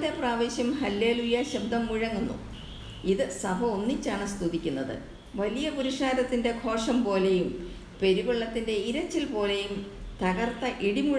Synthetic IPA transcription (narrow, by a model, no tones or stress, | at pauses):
d̪epraːʋeːɕjɐmɦɐlːe̞ːlujɐɕɐbd̪ʱɐmːuɻɐŋːunːṵ | iðɨsɐbʱɐonːit͡ɕːaːɳɨst̪uðikʲːunːɐðɨ̰ | ʋɐlijɐpuɾiʂaːɾɐt̪ːinde̞kʰo̞ːrʂɐmpo̞ːle̞jum | pe̞ɾuʋɐɭːɐt̪ːinde̞iɾɐt͡ɕːilpo̞ːle̞jumt̪ɐɣɐrt̪ːɐʔiɽimuɻ